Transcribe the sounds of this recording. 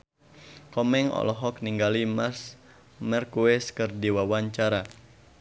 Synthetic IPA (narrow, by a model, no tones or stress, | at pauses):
kɔmɛŋɔ̰lɔɦɔk̚niŋɡalimas | mɛrkuɛskɨrdiwawaɲt͡ʃaɾa